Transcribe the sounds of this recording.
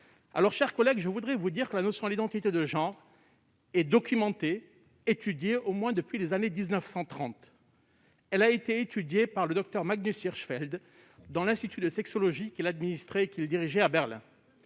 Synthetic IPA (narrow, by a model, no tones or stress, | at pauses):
a̰lɔʁʃɛʁkɔlɛɡʒəvud̪ʁɛvud̪iʁkəlanɔsjɔ̃d̪lid̪ɑ̃t̪it̪ed̪əʒɑ̃ʁ | ɛd̪ɔkʲymɑ̃t̪e | et̪yd̪jeʔomwɛ̃d̪əpɥilezaned̪iznœfsɑ̃t̪χɑ̃t̪ | ɛlaet̪eet̪ʰyd̪jepaʁləd̪ɔk̚t̪œʁmaɡnysiʁʃfɛld̪ | d̪ɑ̃lɛ̃st̪it̪yd̪əsɛksɔlɔʒikʲilad̪minist̪χeːkʲild̪iʁiʒɛabɛʁlɛ̰̃